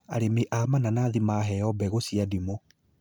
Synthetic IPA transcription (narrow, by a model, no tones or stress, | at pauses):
a̰ɾemeʔamananaðimaɦɛɔbɛɣosiadimo